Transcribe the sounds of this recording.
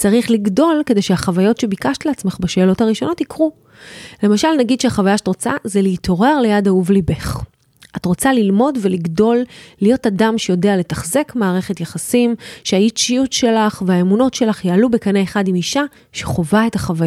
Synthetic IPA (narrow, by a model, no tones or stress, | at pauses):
t͡saʁiχliɡdo̞lkede̞jʃeaχavajo̞tʃe̞bikaʃtleat͡sme̞χbaʃe̞ːlo̞taʁiʃo̞no̞tikʁu | le̞maʃalnaɡid̥̪ʃeaχavajaʃe̥tʁot͡sa̰zeleitʰo̞ʁe̞ʁlejadauvlibeχ | ʔatʁo̞t͡salilmo̞dve̞liɡdo̞lːijo̞tadamʃejo̞deale̞taχze̞kmaːʁe̞χetjaχasimʃeait͡ʃijutʃe̞laχveaemuno̞tʃe̞laχjaːlubekaneeχadimiʃa | ʃeχo̞vae̞taχavaj